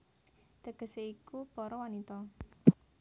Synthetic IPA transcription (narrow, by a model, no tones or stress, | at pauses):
d̪̥əɡ̥ə̤seikub̥ɔɾɔwanit̪ɔ